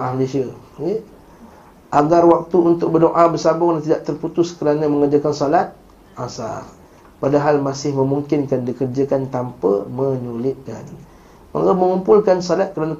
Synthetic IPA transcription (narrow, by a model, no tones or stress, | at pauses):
alesiə | je | ʔaɡarwak̚t̪uunt̪ʊk̚bədoʔabərsabʊŋlaŋt̪idaʔt̪ərput̪ʊskəɾanaməŋəd͡ʒakansolat̪̚ | ʔasa̰r | padaɦalmasɪhmə̃muŋkɪnkandikərd͡ʒakant̪ampə̰məɲulɪt̪̚kan | ma̰kaməŋumpʊlkansolat̪̚kəɾana